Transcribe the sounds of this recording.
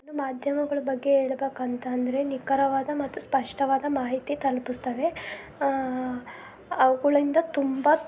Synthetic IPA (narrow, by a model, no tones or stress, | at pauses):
nːumaːd̪ʱjɐmɐɡɐɭɐbɐɡːe̞ɦeːɭbeːkɐnt̪ɐːnd̪ɐɾenikɐɾɐʋaːd̪ɐmɐt̪ːuspɐʂʈɐʋaːd̪ɐmaːɦit̪it̪ɐlpist̪ɐʋe̞ | ɐʋɐɡɐɭind̪ɐt̪umbɐ